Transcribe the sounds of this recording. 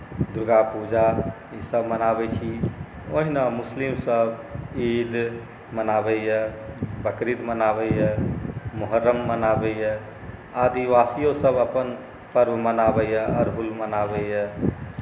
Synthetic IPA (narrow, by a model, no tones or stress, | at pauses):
d̪ɾuɡapud͡ʒa | isəbmənabɛt͡ʃʰi | o̰ɦinamuslimsəbid̪ | mənabɛjɛbəkɾid̪mənabəjɛmʊɦəɾːəmːənabɛjɛ | ad̪iʋasijosəbəpən | pəɾbmənabəjɛəɾɦulmənabɛjɛ